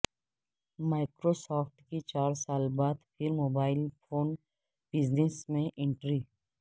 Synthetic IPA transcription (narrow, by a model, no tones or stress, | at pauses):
maːɪkɾosaːfʰʈkit͡ʃaːɾsaːlbaːd̪pʰɪɾmoːbaːɪlpʰoːn | b̥ɪznesmẽʔɪ̃ɳʈɾiː